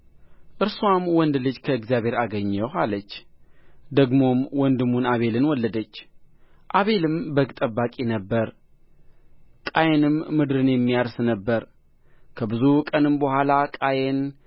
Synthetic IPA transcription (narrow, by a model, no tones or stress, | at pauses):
ʔɨɾswamwɔnd̪lɨd͡ʒkʰəɨɡzjaβhe̞ɾaɡəɲːəwalət͡ʃː | d̪əɡmo̞mwɔnd̪ɨmunaβe̞lɨnwɔlːəd̪ət͡ʃː | ʔaβe̞lɨmbəɡt̪ʼəbːakʼinəbːəɾ | kʼajenɨmːɨd̪ɾɨnjɛmːijaɾsnəbːəɾ | kʰəbɨzukʼənɨmbəhʷalakʼajen